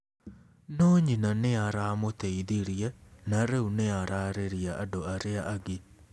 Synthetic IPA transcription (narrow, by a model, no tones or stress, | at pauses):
noːɲinaneaɾamot̪eiðiɾjɛnaɾeuneaɾaːɾeɾiaʔadoaɾeaʔaɡi